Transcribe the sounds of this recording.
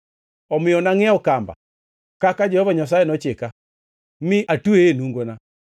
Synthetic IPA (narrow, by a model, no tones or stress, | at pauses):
ɔmeɔnaŋɛaokamba̰ | kakad͡ʒɔɔβaɲas̬aɛnɔt͡ʃeka | miʔatuenuŋɡɔna